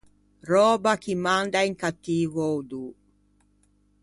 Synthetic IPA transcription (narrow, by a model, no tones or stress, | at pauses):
rɔːbakimand̪aiŋkat̪ːiːvod̪u